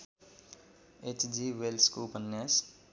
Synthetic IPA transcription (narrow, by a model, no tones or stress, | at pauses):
et͡ʃd͡ʒiwelskupənjas